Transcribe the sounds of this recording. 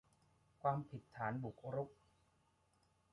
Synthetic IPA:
kʰwaː˧mpʰi˨˩t̪ʰːaː˩˦nbu˨˩k̚ɾu˦˥k̚

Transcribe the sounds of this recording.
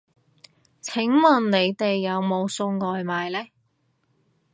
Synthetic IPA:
t͡sʰɪ˨˥ŋmɐ˨˩nne˨˧jt̪e˨jːɐ˨˧wmo˨˧wsʊ˧ŋŋɔː˨jmaː˨jlɛː˥

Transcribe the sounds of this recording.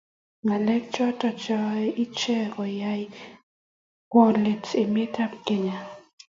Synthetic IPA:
ŋa˨lɛ˦k̚t͡ʃɔ˦tɔ˨t͡ʃɔ˦i˦t͡ʃɛ˦kɔ˨ja˦j | kwɔ˦le˨te˨me˦ta˦p̚ke˨ɲa˨

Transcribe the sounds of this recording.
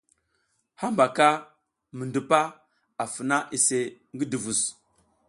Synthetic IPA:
ha˦mba˨ka˦ | mə˨ndu˨pa˦ | a˨fə˨na˦ʔi˨se˨ | ŋɡi˦du˨vu˨s

